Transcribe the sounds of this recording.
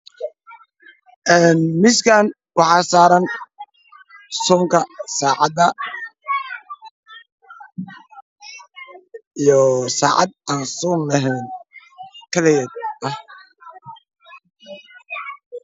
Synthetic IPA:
ʔɛːnmɪskʰaːn | wɑħɑːsaːɾɐn | sɔːŋkʰɐsaːʕɑd̪ɐ | ijɔsa̰ːʕɑ̰d̪̚aːnsɔːnlɐɦɛːn | kʰɐlɛjɛd̪ɐh

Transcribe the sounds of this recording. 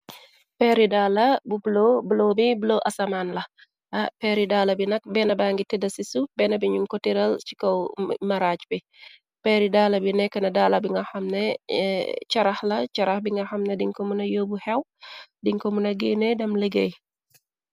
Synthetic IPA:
pɛɾidalɐbubloblomibuloʔɐsɐmaːnlɐ | ʔɐpɛɾidaːlɐbinɐk̚bɛnɐbaŋɡitɛdɐsisubɛnɐbiɲuŋkɔtiɾɐlt͡ʃi̥kɔwmɐɾacbi | pɛɾidalɐbinɛkːənɐdaːlɐbiŋɡɐxɐmnɛ | t͡ʃɐɾɐhlɐt͡ʃɐɾɐhbiŋɡɐxɐmnɛdiŋkɔmunɐjoːbuhɛwdiŋkɔmunɐɡenɛdɐmləɡḛj

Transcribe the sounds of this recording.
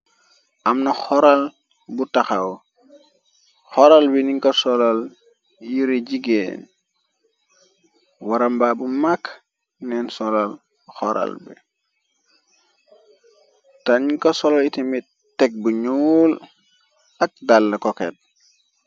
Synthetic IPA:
ʔamnɐxɔɾal | butaxaw | xɔɾalbiniŋkosɔlal | jiɾeɟiɡḛn | waɾambabumak | nɛnsɔlal | xɔɾa̰lbḭ | taniŋkosɔlalitimit | tɛk̚buɲul | ak̚dalːɐkɔkḛt̚

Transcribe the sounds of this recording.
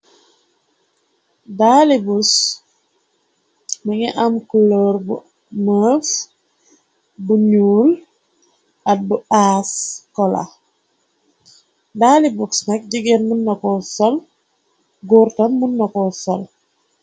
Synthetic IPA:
daːlibus | məŋɛʔamkuloɾbu | məːf | buɲuːl | at̚buaːskɔla̰ | daːlibuksnak̚ɟiɡenmunːɐkɔsɔl | ɡuɾtɐmːunːakɔsɔl

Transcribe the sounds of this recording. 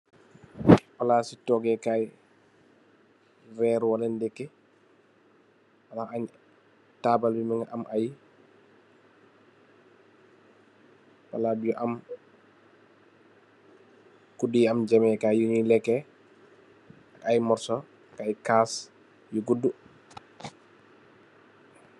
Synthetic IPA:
walaːsitɔɡɛkaj | rɛːɾwalɛndɛkːɛ | walaaɲ | taːbalbimɛŋaʔamʔaj | wa̰ladujuʔam | kudiamd͡ʒɛmɛkajuɲilɛkːɛ | akajmɔɾsɔ | kajkaːs | juɡudu

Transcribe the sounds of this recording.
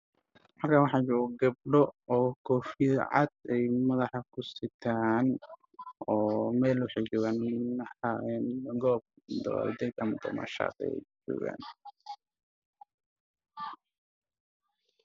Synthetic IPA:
mɐrkʰaːwɑħɑd͡ʒɔʊɡɐb̚ɖɔɔːkʰɔːfɪðʕɑ̰d̪̥̚ɛjmɐðɑħɑkʰʊsɪt̪ʰaːn | ɔːmɛːlʊħiɡɔɣaːnmnɐħɑɛnɡɔːb̚ | d̪ɔɔ̰ld̪ɛd̪ɐmɐd̪ɐmɐ̰ʃa̰ːd̪ɛ̰jd͡ʒɔ̰ːɣa̰ːn

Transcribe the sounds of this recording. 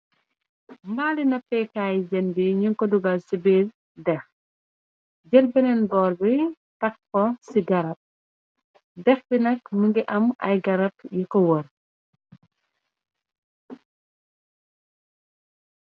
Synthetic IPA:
mbaːlinɐpːɛːkaːjd͡ʒɐnbiɲiŋkɔduɡasibeːl | dɛx | ɟɛlbɛnɛnbɔːrbi | tɐk̚kɔsiɡɐɾɐp̚ | dɛxbinɐkmuŋɡiʔɐmɐ̰jɡɐɾɐp̚jikɔwɔr

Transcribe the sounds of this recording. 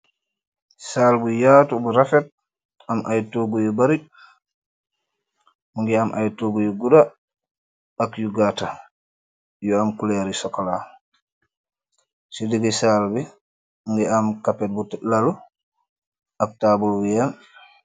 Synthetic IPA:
saːlbujaːtubuɾafɛt̚ | amʔajtoɡujɔbaɾi | buŋɡɛamʔa̰jtoɡujɔɡuda | akjuɡata | jɔamkulɛɾisɔkːala | sidiɡisalbi | ŋɡɛamkapɛt̚butlalu | ak̚tabulbijan

